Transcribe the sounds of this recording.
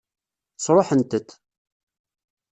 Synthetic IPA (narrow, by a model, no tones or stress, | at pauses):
sˤɾˤoħənt̪ət̪